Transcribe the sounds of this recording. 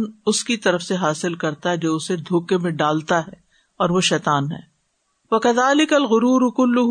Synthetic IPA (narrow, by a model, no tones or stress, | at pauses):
nʊskit̪ɐɾəfseɦaːsɪlkɐɾt̪aɦɛd͡ʒoːʊsed̪ʱoːkemẽɖaːlt̪aɦɛ | ɔːɾʋoʃɛːt̪aːnɦɛ̰ː | wɐkɐðaːlɪkɐlɣʊɾuːɾʊkʊlːʊɦ